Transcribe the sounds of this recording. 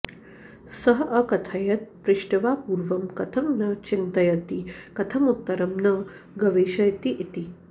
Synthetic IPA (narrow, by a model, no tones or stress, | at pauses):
sɐɦʔɐkɐt̪ʰɐjɐt̪̚pɾɪʃʈɐʋaːpuːɾʋɐmkɐt̪ʰɐmnɐt͡ʃint̪ɐjɐt̪ikɐt̪ʰɐmut̪ːɐɾɐmnɐ | ɡɐʋeːʃɐjt̪iʔit̪i